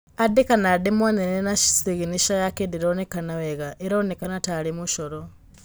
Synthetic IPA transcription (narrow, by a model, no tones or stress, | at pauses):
adekanademwanenenaʃi̥siɣiniʃajakediɾonekanaweɣaʔiɾonekanatalimuʃoɾo